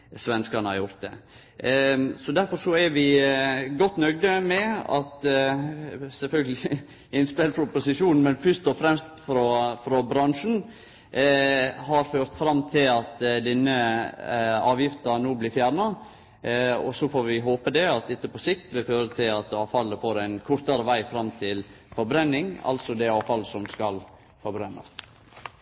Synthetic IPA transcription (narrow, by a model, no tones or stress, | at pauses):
sʋɛnskɑnəhɑ̰ɾjʊɾt̪̚d̪ɛ̰ | sɔd̪æɾfɔɾsɔɛɾʋɪɡɔt̪ːnœɡd̪əmɛɑ̰t̪ | sɛlfœlɡəlɪ | ɪnspɛlfɾɔpʊsɪʂuːnn̩mɛnfʉst̪ɔfɾɛmst̪fɾɔfɾɔbɾɑŋʂn̩ | hɑɾføːɾt̪fɾɑmːt̪ʰɪlɑt̪d̪ɪnːə | ɑːʋjɪft̪ənoːblɪfjæːɾɳɑ | ɔsɔfoːɾʋɪɦoːpəd̪ɛɑt̪ɪt̪ːəpʰɔsɪkt̪ʋɪføːɾət̪ʰɪlɑt̪ɑːʋfɑlːəfoːɾæɪnkʰʊɾt̪əɾəʋæɪfɾɑmt̪ʰɪl | fɔɾbɾɛnːɪŋɑ̰lsɔd̪ɛɑːfɑlsɔmskɑl | fɔɾbɾɛnːɑ̰st̪